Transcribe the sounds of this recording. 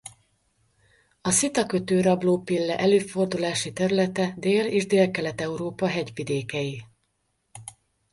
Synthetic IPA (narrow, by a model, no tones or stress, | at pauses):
ɒsit̪ɒkø̞t̪øːɾɒbloːpilːɛʔɛløːfo̞rd̪ulaːʃit̪ɛɾylɛt̪ɛd̪eːlḛːʒd̪eːlkɛlɛt̪ɛuɾoːpɒɦɛɟʋid̪eːkɛji